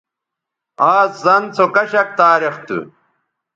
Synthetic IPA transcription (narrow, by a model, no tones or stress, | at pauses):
aːszɐnt͡sʰokɐɕɐk̚t̪aːɾixt̪ṵ